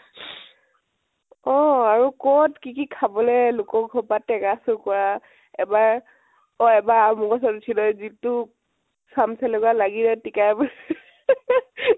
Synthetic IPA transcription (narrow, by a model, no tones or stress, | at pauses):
ɔaɹukɔtkikikʰabɔlɛlʊkɔɡʱɔpatɛɡasʊkɔɹa | ɛbaɹ | ɔɛbaɹamukɔsɔdt͡ʃʰinɔjzitʊ | samsɛlɔɡalaɡilɛtikajb